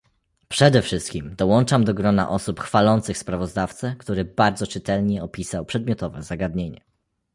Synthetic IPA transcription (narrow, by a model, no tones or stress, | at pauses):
pʂɛd̪ɛfʂɘst̪̚kʲimd̪ɔwɔnt͡ʂamd̪ɔɡɾɔna̰ʔɔsupxfalɔnt̪sɘxspɾavɔzd̪aft̪sɛkt̪uɾɘbaɾd̪zɔt͡ʂɘt̪ɛlɲɛɔpʲisawpʂɛd̪mjɔt̪ɔvɛzaɡad̪ɲeɲɛ̰